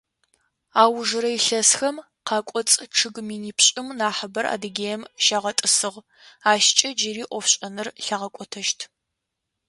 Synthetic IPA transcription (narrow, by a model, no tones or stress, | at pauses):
aːwʒɨɾɐiɬɐsxɐm | qʰɑːkʷʼɔt͡sʼʈ͡ʂʰɨɡmiːniːpʰɕʼɪmnaːħəbɐrʔa̰ːdɨɡʲeːjɛmʃaːʁɐtʼɨsɨʁ | aːʃt͡ʃʼɐd͡ʒɪɾiːʔʷɔfɕʼɐnɨrɬaːʁɐkʷʼɔtʰɐʃtʰ